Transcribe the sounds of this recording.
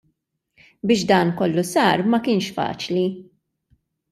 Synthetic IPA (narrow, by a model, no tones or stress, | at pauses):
bɪːʃd̪ɐːnkɔlːusɐːɾmɐkɪːnʃfɐ̰ːt͡ʃli